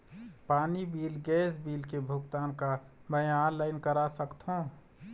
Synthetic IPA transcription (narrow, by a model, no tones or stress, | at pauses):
paːnibiːlɡɛːs̬biːlkebʱʊɡt̪aːnka | mɛ̃ːaːlaːɪnkəɾasəkt̪ɦũ